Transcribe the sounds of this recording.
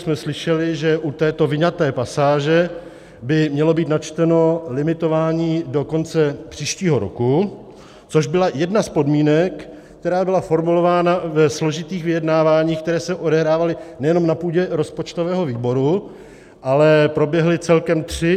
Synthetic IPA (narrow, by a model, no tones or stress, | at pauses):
smɛslɪʃɛlɪʒɛʔut̪ɛːt̪o̞vɪɲat̪ɛːpasaːʒɛ | bɪmɲɛlo̞biːt̪nat͡ʃt̪ɛno̞lɪmɪt̪o̞vaːɲiːdo̞ko̞nt͡sɛpr̥iːʃciːɦo̞ɾo̰ku | t͡soʒbɪlajɛdnaspo̞dmiːnɛk | kt̪ɛɾaːbɪlafo̞ɾmulo̞vaːnavɛslo̞ʒɪt̪iːxvɪjɛdnaːvaːɲiːxk̚t̪ɛɾɛːsɛʔo̞dɛɦɾaːvalɪnɛjɛno̞mnapuːɟɛɾo̞spot͡ʃt̪ovɛːɦo̞viːbo̞ɾu | ʔalɛpɾo̞bjɛɦlɪt͡sɛlkɛmt̪r̝̥ɪ